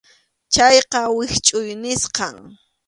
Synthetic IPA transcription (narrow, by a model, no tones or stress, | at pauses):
t͡ʃajqɑwɪxt͡ʃʼʊjnɪsqɑŋ